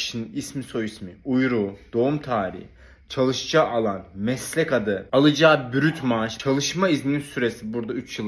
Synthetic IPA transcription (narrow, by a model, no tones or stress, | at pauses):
ʃininismiso̞jismiujɾuːd̪̥o̞umt̪ʰaːɾḭh | t͡ʃʰalˠɯʃd͡ʒaːʔalˠanmɛslʲɛkad̪ɯalˠɯd͡ʒaːbyɾyt̪ʰmaʃt͡ʃʰalˠɯʃmaizmininsyɾe̞sibuɾd̪ayt͡ʃjɯlˠ